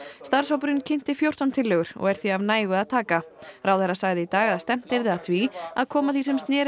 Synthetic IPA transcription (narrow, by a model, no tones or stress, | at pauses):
st̪aɾ̥sawpʏɾɪncʰɪn̥t̪ɪfjowr̥t̪ant̪ʰɪlːœɣʏɾ̥ɔ̰ɣɛɾ̥θviavnaːjɣʏaðt̪ʰaːkaɾawθɛrːasaɣðɪit̪aːɣaðast̪ɛm̥t̪ɪɾðaθvia̰ðkʰɔːmaθvisɛmst̪nɛːɾ